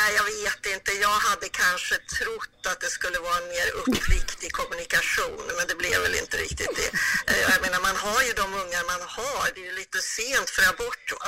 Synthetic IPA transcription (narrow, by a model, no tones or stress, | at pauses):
nɛɪjɑɡveːt̪ɪnt̪əjɑːɡɦad̪ːəkʰanʂət̪ʰɾʊt̪ːat̪̚d̪ɛskɵlːəvɑːɾaɛnmeːɾɵpʰːlɪkt̪ɪɡkʰɔmʉnɪkaɧuːnmɛnd̪ɛblɪ̰ɾvɛ̰lɪ̰nt̪əɾɪ̰kt̪ɪt̪̚d̪ɛ̰jaɡmeːnaɾmanɦaɾjɵd̪ɔmɵŋːaɾmanhaɾd̪ɛjɪliːt̪əseːnt̪fɾabɔʈː